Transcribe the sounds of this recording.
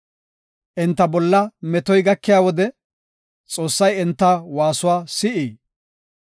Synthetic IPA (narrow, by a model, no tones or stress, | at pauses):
ʔɛnt̪ːɐbɔlːɐmɛt̪ɔjɡɐkːɪjaːwɔd̪ɛ | t͡sʼo̞ːsːɐjɛnt̪ːɐwaːsʊwaːsɪʔiː